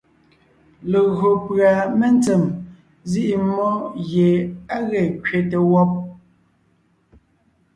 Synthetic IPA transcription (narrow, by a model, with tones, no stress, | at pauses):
le˨ɣo˨pɰa˨me˦n˦t͡sɛ˨m | zi˦ʔi˨mɔ˦ɣje˨a˦ɣɛ˨kɥe˨te˨wɔ˦p̚